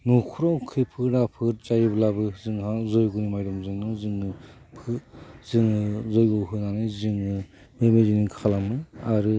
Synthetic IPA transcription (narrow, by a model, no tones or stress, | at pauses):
nukʰuɾɔŋkʰɯjpʰɯɾapʰɯɾt͡ʃajɯblabɯzɯŋazɔjɡunimajdɔmzɯŋɯzɯŋɯ | pʰɯzɯŋɯzɔjɡɔɦɯnanɯjzɯŋɯ | memezinikʰalamɯaɾɯ